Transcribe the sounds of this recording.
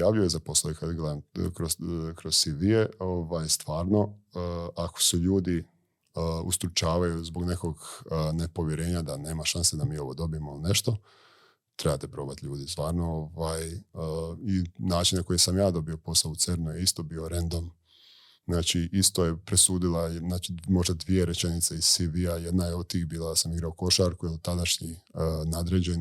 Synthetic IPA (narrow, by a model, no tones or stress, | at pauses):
jaːʋluojezapo̞slˠaoikad̪ɡled̪amkɾokɾoz̥siʋijeoʋajst̪ʋaːɾno̞ | ako̥suʎuːd̪i | ust̪ɾut͡ʃaːʋajuzbo̞ɡne̞ko̞ɡnepo̞ʋjeɾe̞ːɲad̪ane̞ːmaʃansed̪amiːo̞ʋo̞d̪o̞bijemoiline̞ʃt̪o̞ | t̪ɾebat̪epɾo̞bat̪ʎuːd̪ist̪ʋaːɾnooʋaːj | inaːt͡ʃinako̞jesamjaːd̪o̞bio̞po̞saout̪seɾnujeist̪o̞bio̞ɾend̪o̞m | znaːt͡ʃiʔist̪o̞jepɾesuːd̪ilˠanaːt͡ʃimo̞ʒd̪ad̪ʋije̞ɾet͡ʃe̞nit̪seiz̥siʋiajed̪najeod̪̚t̪iːxbiːlˠasamiɡɾaoko̞ʃaɾkujɛlt̪ad̪aʃɲinad̪ɾed͡ʑe̞n